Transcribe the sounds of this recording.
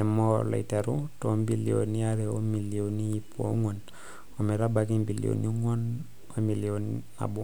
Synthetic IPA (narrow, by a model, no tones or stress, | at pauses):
ɛmolo̰iteɾutombilio̰nijaɾeomilionijipʰːo̰ŋon | omeɾabaɡimbilḭo̰niŋon | omilionna̰bo